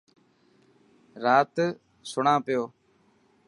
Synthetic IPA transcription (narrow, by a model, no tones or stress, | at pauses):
ɾaːt̪ | sʊɳãːpɪjoː